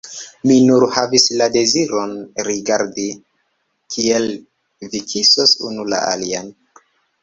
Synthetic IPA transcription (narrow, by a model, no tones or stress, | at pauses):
minuɾhavislade̞ziɾonɾiɡaɾdi | kʰie̞l | vikʰisosunula̰a̰lian